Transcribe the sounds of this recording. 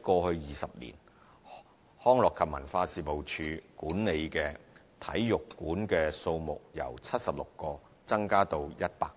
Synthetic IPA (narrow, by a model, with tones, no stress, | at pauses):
kɔː˧hɵ˧ɥjiː˨˩sɐ˨p̚lḭː˨˩n | hɔː˥ŋlɔː˨kʰɐ˨p̚mɐ̰˨˩nfaː˧siː˨mo˨wt͡ʃʰyː˧kuː˨˥nne˨˧jkɛː˧ | t̪ʰɐ˨˥jjʊ˨kːuː˨˥nkɛː˧so˧wmʊ˨k̚jɐ̰˨˩wt͡sʰɐ˥t̚sɐ˨p̚lʊ˨kːɔː˧ | t͡sɐ˥ŋkaː˥t̪o˧wjɐ˥t̚paː˧k̚